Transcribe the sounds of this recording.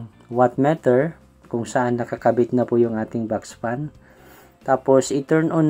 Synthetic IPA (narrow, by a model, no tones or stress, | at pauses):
wat̪̚mat̪ɛɹ | kʊŋsɐʔanːɐkɐkɐbɪt̪̚nɐpʊjʊŋʔaːt̪ɪŋbakspan | t̪aːposʔɪt̪ɛɹnʔon